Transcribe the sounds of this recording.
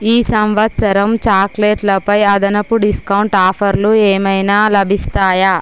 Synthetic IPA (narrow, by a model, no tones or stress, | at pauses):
iːsɐmʋɐt̪sɐɾɐmt͡ʃaːkleːʈlɐpɐjɐd̪ɐnɐpuɖiskɐwuɳʈaːpʰɐɾlueːmɐjnaːlɐbʱist̪aːjɐ